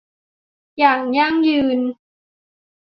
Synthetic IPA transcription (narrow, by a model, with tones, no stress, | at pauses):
jaː˨˩ŋ̚ja˥˩ŋjɯː˧n